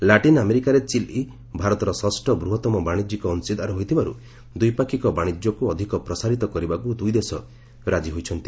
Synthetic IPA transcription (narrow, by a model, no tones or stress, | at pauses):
laʈinameɾikaɾet͡ʃilʔi | bʱaɾɔt̪ɔɾɔsɔsʈɔbɾuɦɔt̪ɔmɔbaɽ̃id͡ʒikɔːnsid̪ʱaɾɔɦojt̪ʰibaɾṵ | d̪ujpakʰikɔbaɽ̃id͡ʒjɔkuɔd̪ʱikɔpɾɔsaɾit̪ɔkɔɾibakud̪ujd̪esɔ | ɾad͡ʒiɦojt͡ʃʰɔnt̪i